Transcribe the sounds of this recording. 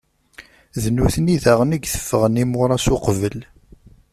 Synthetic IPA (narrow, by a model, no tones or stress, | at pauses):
ðənːuθəniðæʁəniɡθə̥fːəʁənimʊɾˤɑsʊqvəl